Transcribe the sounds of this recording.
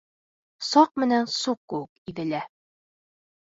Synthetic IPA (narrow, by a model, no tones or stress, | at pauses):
sɑq̚mɘ̆nænsuq̚kːɘwɘkiðɘ̆læ